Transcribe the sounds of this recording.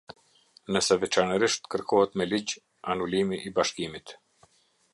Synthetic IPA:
nəsɛvɛt͡ʃanəɾiʃt̪kəɾkɔhɛt̪mɛlid͡ʑ | anulimiʔːbaʃkimit̪

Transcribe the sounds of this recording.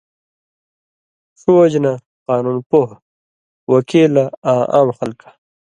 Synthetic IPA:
ʂod͡ʑna | qaːnunpoɦ | wɐkeːlaaːʔa̰ːmxɐlkḁ

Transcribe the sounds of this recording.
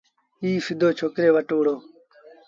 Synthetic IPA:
iːfɪd̪ʱoːt͡ʃʰoːkɾeːʋəʈoːɽoː

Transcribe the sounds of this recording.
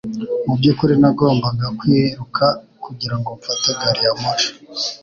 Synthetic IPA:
mub̚ɟukuɾinaɡo̞ːmbaɡakwiːɾukʰa | kuɟiɾaŋɡoɱfataɡaɾijamoʃo̥

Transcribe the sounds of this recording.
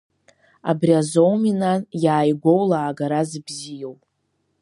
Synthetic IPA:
a̰briazowminanjaːjɡʷo̞wlaːɡaɾazɨbzijowpʼ

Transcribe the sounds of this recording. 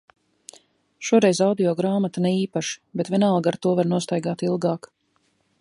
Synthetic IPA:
ʃuɔɾɛjzawd̪iɔɡɾaːmat̪anɛiːpaʃi̥bɛt̪vʲɛnalˠɡaɾt̪uɔvaɾnuɔst̪ajɡaːt̪ilˠɡaːk

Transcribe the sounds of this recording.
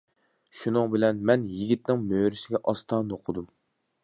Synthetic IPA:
ʃunɨŋbɪlɛnmɛnjiɡʲit̪nɪŋmøːɾɪsɪɡʲɛʔɑst̪ʰɑːnoqʰʊd̪um

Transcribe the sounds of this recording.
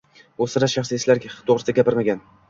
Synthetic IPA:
osɪɾaʃaχsɪeslaɾɡʲt̪ʰoʁɾɪsd̪aɡʲapɪɾmaɡʲan

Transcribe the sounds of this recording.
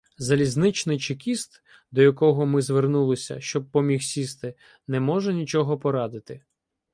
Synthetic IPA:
zɐlʲiznɪt͡ʃnɪjt͡ʃɪkʲist̪ | d̪ɔjɐkɔɦɔmɪzʋernulˠɪsʲɐ̰ʃt͡ʃɔb̚pːɔmʲixsʲist̪ɪ | nɛmɔʒɛnʲit͡ʃɔɦɔpɔɾɑd̪ɪt̪ɪ

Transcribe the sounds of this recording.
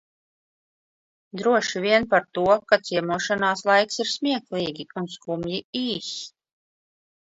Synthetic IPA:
d̪ɾuɔʃiviɛnpaɾt̪uɔkat̪siɛmuɔʃanaːslˠajksiɾsmʲiɛklˠiːɡʲiunskumjiiːs

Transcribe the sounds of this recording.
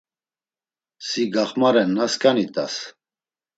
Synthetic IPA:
siɡaχmaɾɛnːaskʰanit̪ʼas

